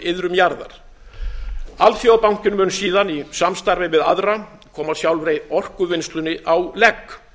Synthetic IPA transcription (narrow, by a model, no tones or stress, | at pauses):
ɪðɾʏmjaɾða̰ɾ̥ | alfjowpawŋ̥cɪnmʏːnsiːðanisamst̪aɾvɪvɪða̰ðɾa | kʰɔːmaðsjawlvɾeːjðɔr̥kʏvɪnst̪lʏnːɪʔawlɛkː